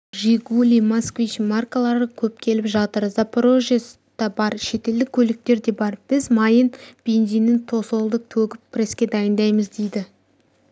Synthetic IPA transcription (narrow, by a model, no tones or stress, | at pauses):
ʒeɡulʲijmaskvʲit͡ʃmarkalˠɑɾəkʲʰɵp̚kʲʰe̞lɪpʒɑt̪əɾzapʰoɾo̞ʒes | d̪̥ɑbɑɾʃe̞t̪e̞ld̪ɪkʲʰɵlɪk̚t̪e̞ɾd̪e̞bɑɾb̥ɪzmɑjənb̥e̞nzijnːɪŋt̪ʰo̞so̞lˠd̪əq̚t̪ʰɵɡʲɪppʰːɪre̞skʲe̞d̪ɑjənd̪ɑjməzd̪e̞jd̪ɪ